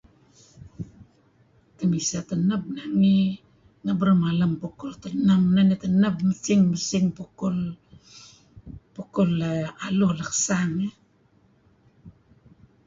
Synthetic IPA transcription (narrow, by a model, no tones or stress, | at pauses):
tamisatanap̚naŋi | ŋabɾamalampokoltanamnanetanapmasiŋmasiŋpokol | pokolːaalolakḁsaŋe